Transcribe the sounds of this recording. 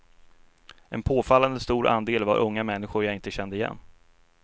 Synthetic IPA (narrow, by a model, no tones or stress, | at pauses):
ʔɛnpʰoːfalːand̪əst̪uːɾʔa̰nd̪eːlva̰ɾʔɵŋːamɛnːɪɧʊɾjaɪnt̪əɕɛnd̪əɪjɛ̰nː